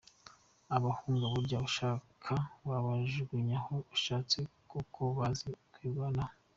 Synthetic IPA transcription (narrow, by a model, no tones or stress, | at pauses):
aβahuːŋɡaβuɾɟaβuʃakʰaβaβaʒɡiɲahouʃaːt͡sekukʰoβazikwiːɡana